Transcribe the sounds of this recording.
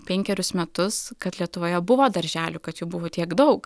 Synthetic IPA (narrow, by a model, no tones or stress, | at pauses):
pʲɛŋʲkʲɛɾʲʊsmʲɛt̪ʊskɐt̪lʲiɛt̪ʊʋoːjɛbʊʋoːd̪ɐɾʲʒʲæːlʲʊkɐt̪jɛbʊʋoːt̪ʲiɛkd̪ɐʊk